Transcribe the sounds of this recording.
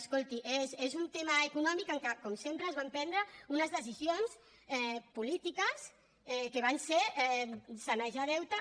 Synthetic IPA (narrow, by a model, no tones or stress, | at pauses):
skolˠt̪iʔezezunt̪emaekunɔmikəŋkakɔmsempɾəːzβampɛnd̪ɾəunəzðəz̬izions | ɛpulit̪ikəs | ɛkeβ̞anseɾɛsanɛʒaðɛwt̪a